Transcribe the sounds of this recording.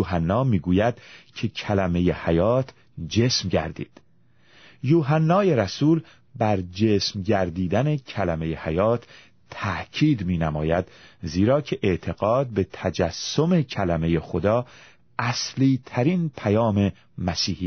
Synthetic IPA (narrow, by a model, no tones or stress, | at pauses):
uːɦænːɒːmiːɡuːjæd̪̥cʰe̞cʰælæme̞jehæjɒːt̪ʰ | d͡ʒe̞ːsmɟæ̰ɾd̪ḭːd̪̥ | juːɦænːɒːjeɾæsuːl | bæɾd͡ʒeːsmɟæɾd̪iːd̪ænecʰælæme̞jehæjɒːt̪ʰː | æʔcʰiːd̪miːnæmɒ̰ːjæd̪̥ziːɾɒːcʰe̞ʔeʔt̪ʰe̞ɣ̥ɒːd̪̚be̞t̪ʰæd͡ʒæsːo̞me̞cʰælæme̞jexo̞d̪ɒː | ʔæsliːt̪ʰæɾinpʰæjɒːme̞ | mæsiːhiː